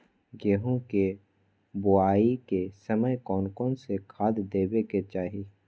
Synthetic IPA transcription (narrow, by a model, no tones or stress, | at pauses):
ɡeɦõke | boaːikesəməjkɔːnkoːnsekʰaːd̪d̪eːbeket͡ʃaːɦi